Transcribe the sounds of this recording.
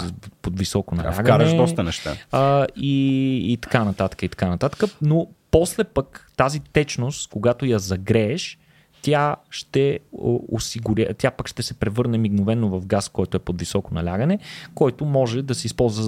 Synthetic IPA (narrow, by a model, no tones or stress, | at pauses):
pod̪visɔkonɐ̰lla̰ɡaɾɛddɔst̪ənɛʃt̪a̰əiːt̪ɐ̥kanɐt̪at̪ə̥kəit̪ɐ̥kanɐt̪at̪ə̥kənopɔslɛpəkt̪azit̪ɛt͡ʃnost̪koɡat̪ojɐzɐɡɾɛːʃ | t̪jaʃt̪ɛ̰o̰siɡʊɾʲə̰t̪ʲjapəkʃt̪ɛsɛpɾɛvɤɾnɛmiɡnovɛnːovɐvɡaskɔjt̪ʊɛpod̪visɔkonɐ̰lʲaɡənɛkɔjt̪omɔʒɛd̪ɐsɛispɔlˠzvə